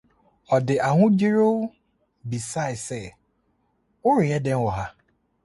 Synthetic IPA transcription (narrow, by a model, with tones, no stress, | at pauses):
ɔ˨dɪ˨ʔa˨ŋʊ̃˦d͡ʑi˦ɾo˦ | bi˨sa˦ɪ˨sɛ˦˨ | ʊ˦ɾɪ˨jɛ˦dɛ̃˦n̩˦wɔ˨ɦa˦